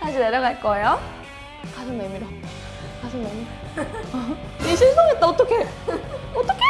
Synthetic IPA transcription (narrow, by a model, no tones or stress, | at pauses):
tad͡ʑineɾjʌɡaɭk͈ʌejo | kasʰʌnemiɾʌ | kasʰoŋnemiɾo | iɕʰiɭsʰoŋet͈̚aot͈ʌkʰe | ot͈ʌkʰe